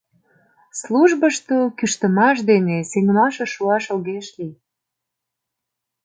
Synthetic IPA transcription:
sluʒbəʃt̪okyʃt̪əmɑʃ̬d̪enesenʲəmɑʃeʃuɑʃolɣeʃli

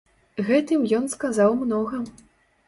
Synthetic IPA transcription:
ɣɛt̪ɨmjɔnskazawmnɔɣɐ

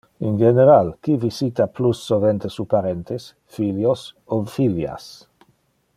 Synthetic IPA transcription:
inɡeneɾalkivisit̪aplusːovent̪esupaɾent̪es | filjosofilja̰s

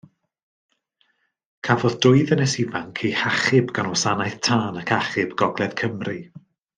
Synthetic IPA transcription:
kʰavɔðdʊɨðənɛsɪvaŋkʰejhaχɪbɡanwɔsanajθtʰaːnakʰaχɪbɡ̥ɔɡlˠɛðkʰəmri

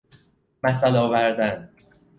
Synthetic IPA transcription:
mæsælɒːvæɾd̪æn

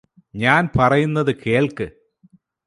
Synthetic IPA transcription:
ɲaːnpɐrɐjunːɐðɨkʰeːɭkɨ

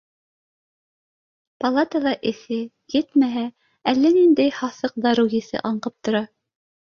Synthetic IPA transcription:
pɐlˠat̪əlˠɑʔɘ̆θɘ | jɘt̪mæɦæ | ælːænind̪æjhɑθɤq̚d̪ɑɾujɘ̆θɘ̰ʔɑɴqɤp̚t̪ŏɾɑ

